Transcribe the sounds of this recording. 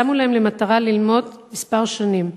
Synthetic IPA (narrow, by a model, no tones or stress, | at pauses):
amulahemlemat̪aʁalilmo̞dmispaʁʃanim